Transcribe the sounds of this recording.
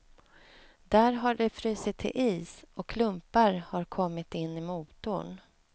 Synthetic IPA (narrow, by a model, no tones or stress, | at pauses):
d̪æːɾɦaɖɛfɾyːsɪt̪ʰːɪ̰lʔiːsʔɔkʰːlɵmpaɾhaɾkʰɔmːɪt̪ɪnːɪmuːt̪ʊɳ